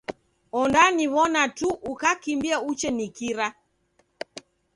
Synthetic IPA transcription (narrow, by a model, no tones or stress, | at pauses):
ɔndaniβɔnatuʔukakimbiaut͡ʃɛnikiɾa